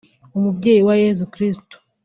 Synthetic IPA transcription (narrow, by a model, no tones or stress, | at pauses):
umubɟe̞ːjiwajezukɾisto̥